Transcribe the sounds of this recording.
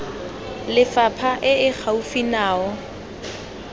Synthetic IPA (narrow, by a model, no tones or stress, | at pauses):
lɪfapʰaʔɪɪk͡xʰaufinaːɔ